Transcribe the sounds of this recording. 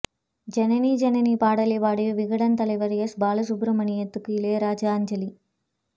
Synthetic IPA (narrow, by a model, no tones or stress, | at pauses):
d͡ʒɛnɐnid͡ʒɐnɐnipaːɽɐlɐʋaːɽɐjɐʋɪɣɐɽɐnt̪ɐlɐɪʋɐɾɐjɐsbaːlɐsʊbɾɐmɐnijɐt̪ːɯkːɯjɪleːɾaːd͡ʒaːɲd͡ʒɐli